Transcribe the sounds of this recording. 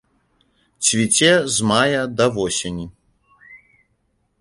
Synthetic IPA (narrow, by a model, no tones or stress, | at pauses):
t͡sʲvʲit͡sʲɛzmajɐd̪ɐvɔsʲenʲi